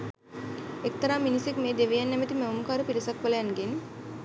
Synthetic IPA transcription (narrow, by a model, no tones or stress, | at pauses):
ek̚t̪ɐɾaːminisekmeːd̪eʋejanːɛmət̪imeomukaːɾupiɾisakʋələjanɡen